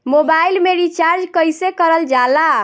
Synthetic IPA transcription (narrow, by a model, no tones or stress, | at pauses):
mobailmeɾit͡ʃaɾd͡ʒkəjsekəɾəld͡ʒala